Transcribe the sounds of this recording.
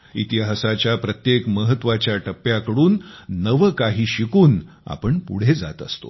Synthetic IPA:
ḭt̪iɦasat͡ɕjapɾət̪jekməɦət̪ʋat͡ɕjaʈəpːjakəɽuːnːəʋəkaɦiːɕikuːn | a̰pəɳpṵɽ̤ed͡za̰t̪əst̪o̰

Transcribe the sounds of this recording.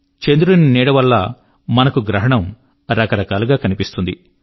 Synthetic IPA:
t͡ʃend̪uɾuniniːɽɐʋɐlːɐ | mɐnɐkuɡɾɐɦɐɳɐm | ɾɐkɐɾɐkaːluɡaːkɐnipist̪und̪i

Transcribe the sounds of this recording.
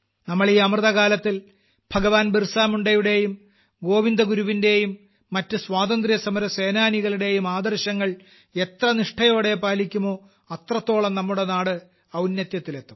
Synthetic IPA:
nɐmːɐɭiːɐmrðɐɣaːlɐt̪ːil | b̥ʱɐɡɐʋaːnbirsaːmuɳɖɐjuɽe̞jum | ɡo̞ːʋind̪ɐɡuɾuʋinde̞jumː | ɐtːɨswaːd̪ɐnd̪rijɐsɐmɐɾɐseːnaːniɣɐɭiɽe̞jumaːd̪ɐrɕɐŋːɐɭ | e̞t̪rɐniʂʈʰɐjo̞ːɽe̞paːlikʲːumo̞ː | ɐt̪rɐt̪ːo̞ːɭɐmnɐmːuɽe̞naːɽɨ | ɐwnjɐt̪jɐt̪ːile̞t̪ːu̥m

